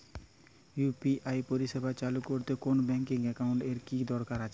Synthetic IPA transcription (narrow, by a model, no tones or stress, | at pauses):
jupiajpoɾiʃebʱat͡ɕalukoɾt̪ekonobɛŋkiŋɛkawɳʈeɾkid̪ɔɾkaɾat͡ɕʰe